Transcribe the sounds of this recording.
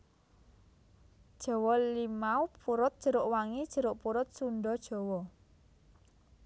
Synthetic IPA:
d̥ʒ̥ɔ̤wɔlimaupuɾʊt̪̚dʒ̥ə̤ɾʊʔwaŋid̥ʒ̥ə̤ɾʊʔpuɾʊt̪̚suɳɖɔd̥ʒ̥ɔ̤wɔ

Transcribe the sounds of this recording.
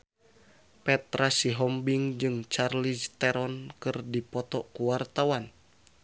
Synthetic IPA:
pɛt̪ɾasiɦɔmbiŋd͡ʒɨŋt͡ʃarlist̪ɛɾɔnkɨrdipɔt̪ɔkuwart̪awan

